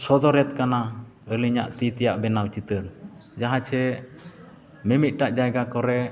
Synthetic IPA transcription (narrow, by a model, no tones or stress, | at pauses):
sɔd̪ɔɾɛt̪̚kana | əliɲa̰ʔt̪it̪ɛjaʔbɛnawt͡ʃit̪əɾd͡ʒaɦãt͡ʃʰɛ | mɛmit̪̚ʈaʔd͡ʒajɡakɔɾɛ